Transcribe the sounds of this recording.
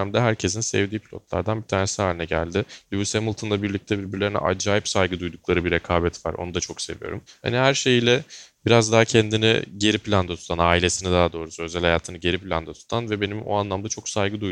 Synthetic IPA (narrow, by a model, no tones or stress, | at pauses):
md̪ɛɦæɾcʰes̬insɛ̰vd̪iːpʰilʲo̞̰t̪lˠa̰ɾd̪anbit̪ʰaːnesihaːlʲinɛɟæ̰lʲd̪ɪlʲubusemulˠt̪ʰɯnˠabiɾlʲic̚t̪ʰɛbiɾbiɾlʲeɾinɛ̰ʔa̰d͡ʒaːjipsajɡɯd̪ujd̪uklˠaɾɯbiɾekʰaːbɛt̪va̰ɾo̞̰nud̪at͡ʃʰo̞kse̞vijo̞̰ɾumha̰nihæɾʃe̞jilʲɛbiɾazd̪aɦacʰɛnd̪inḭɟe̞ɾipʰlʲand̪at̪ʰu̥t̪ʰanaːilʲe̞sinid̪aɦad̪o̞ːɾusø̞zælʲhajaːt̪ʰɯnɯɟe̞ɾipʰilʲand̪at̪ʰu̥t̪ʰanvɛbe̞nimo̰anlˠamd̪at͡ʃʰo̞ksajɡɯd̪uj